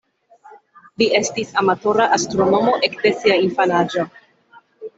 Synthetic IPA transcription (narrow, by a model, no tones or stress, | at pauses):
lie̞stisamato̞ɾaʔastɾono̞mo̞ʔekde̞siainfanad͡ʒo